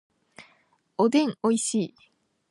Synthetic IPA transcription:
od̪ẽ̞ŋoiɕiː

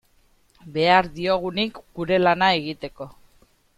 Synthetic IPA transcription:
be̞aɾðio̞ɣ̞unikɡuɾe̞lanae̞ɣ̞it̪e̞ko̞

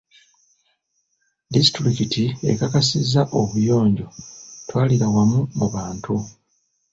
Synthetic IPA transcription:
disitɾikitie̞̰kakasizːaʔoβujo̞ːɲɟo̞twaːliɾawamumuβaːntu

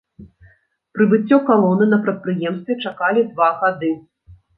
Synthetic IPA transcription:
pɾɨvɨt͡sʲːɔkalˠɔnɨnɐpɾɐt̪̚pɾɨjɛmst̪vʲɛt͡ʂakalʲid̪vaɣad̪ɨ

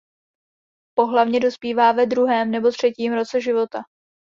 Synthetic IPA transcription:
po̞ɦlavɲɛdo̞spiːvaːvɛd̪ɾuɦɛːmnɛbo̞t̪r̝̥ɛciːmɾo̞t͡sɛʒɪvo̞t̪a

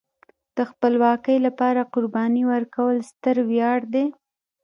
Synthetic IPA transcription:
d̪̥əxpəlwɑkəjlapɑɾaqʊɾbɑniwəɾkawəlst̪əɾwjɑɽd̪e

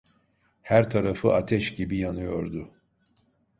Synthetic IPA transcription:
hæɾt̪ʰaɾafɯʔat̪ʰɛʃɟibijanɯjo̞ɾd̪ʊ

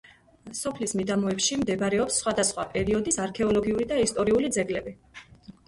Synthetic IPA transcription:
sɔpʰlismid̪amɔɛpʃimd̪ɛbɾɛɔpsːχwad̪asχwapʼɛɾiɔd̪isaɾkʰɛɔlɔɡiuɾid̪aist̪ʼɔɾiulid̪zɛɡlɛbi

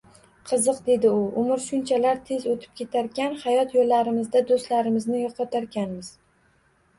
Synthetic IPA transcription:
qʰɨzɨqd̪e̞d̪ɪʊʊmɪɾʃʊnt͡ʃʰalaɾt̪ʰe̞zot̪ʰɪ̥p̚kʲe̞t̪ʰaɾkʲanhajɒt̪jolːaɾɪmɪzd̪ad̪ost̪laɾɪmɪznɪjɒqʰɒt̪ʰaɾkʲanmɪz̥

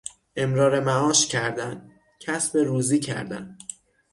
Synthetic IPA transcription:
ʔe̞mɾɒːɾe̞mæɒːʃcʰæɾd̪æn | cʰæsbe̞ɾuːziːcʰæ̰ɾd̪æ̰n

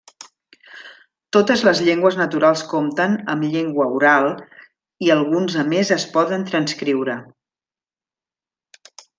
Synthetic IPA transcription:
t̪ot̪əzləzʎeŋɡwəznət̪uɾalˠskomt̪ənə̰mʎeŋɡwəuɾalˠ | iəlˠɣunzəmezəspɔðənt̪ɾənskɾiwɾə

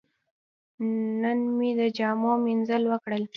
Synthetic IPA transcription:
nənmid̪əd͡ʒɑmɑminzəlwəkɽəl

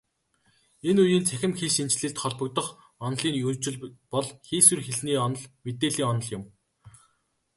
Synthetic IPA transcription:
enujiːnt͡sʰæxʲɪ̆mxiːsent͡ɕɮɘ̆ɮt̪χɔɮpɞ̆kt̪ɞ̆χ | ɔnɮiːnɵt͡ɕɪ̆ɮpɔɮxiːswɘ̆rxeɮniːɔnɞ̆ɮmet̪eːɮiːŋɔnɞ̆ɮjʊm

